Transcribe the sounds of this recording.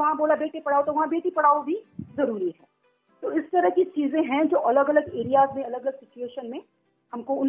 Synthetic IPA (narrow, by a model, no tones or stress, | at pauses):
ʋɐɦãboːlabeːʈepɐɽaːot̪oʋɐɦãbeːʈipɐɽ̤aːobʱizɐɾuːɾiɦɛː | t̪oːɪst̪ɐɾəɦkit͡ʃiːzẽɦɛ̃d͡ʒoːʔɐləɡɐləɡeːɾijaːzmẽɐləɡɐləɡsɪt͡ʃueːʃənmẽ | hɐmkoʊn